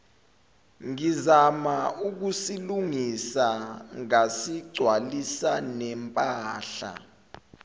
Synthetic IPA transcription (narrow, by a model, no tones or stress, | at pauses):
ŋizamauk̬usiluŋisaŋasiɡ͡ǀʱwalisanɛmpʼaːɬa̰